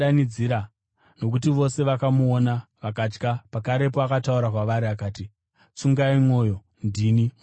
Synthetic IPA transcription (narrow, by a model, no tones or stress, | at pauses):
anid͡ziɾa | no̞k̬utiʋo̞se̞ʋakamuonaʋakat͡ʃkapakaɾe̞poakatauɾakwaʋaɾiakaːti | t͡suŋɡaimo̞ːjo̞ | ndiːni